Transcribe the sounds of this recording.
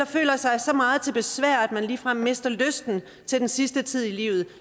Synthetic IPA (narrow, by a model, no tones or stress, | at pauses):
ɑ̈fø̰ːlɐsɑ̈ɪsɒ̽mɑ̈ːð̞̩ˠt͡sʰe̝lb̥e̝sʋæɐ̰æd̥mænliːfʁɑ̈me̝sd̥ɐløsd̥n̩ | t͡sʰe̝ld̥ensisd̥ət͡sʰið̰ˠilḭːʊð̩ˠ